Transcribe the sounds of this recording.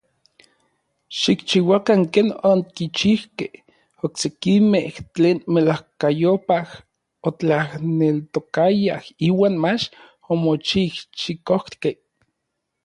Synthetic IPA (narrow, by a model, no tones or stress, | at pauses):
ʃikt͡ʃiwakaŋkeːnoŋkit͡ʃihkeh | oksekimeht͡ɬeːnmelahkajopah | ot͡ɬahnelt̪okajahiːwaːnmat͡ʃ | omot͡ʃiht͡ʃikoh̪keh